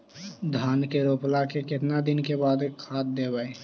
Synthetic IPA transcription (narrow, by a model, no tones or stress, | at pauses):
d̪ʱaːnkeɾoːplakekɪt̪nad̪ɪnkebaːd̪kʰaːt̪̚d̪eːbaːe